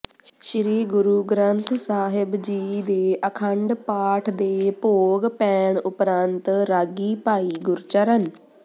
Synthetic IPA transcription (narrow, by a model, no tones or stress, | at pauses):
ʃɾiːɡʊɾuːɡɾənt̪ʰsaːɦɪbd͡ʒiːd̪eːʔəkʰəɳɖpaːʈʰd̪eːpoːɡpɛːɳʊpɾənt̪ɾaːɡiːpaːiːɡʊɾt͡ʃəɾən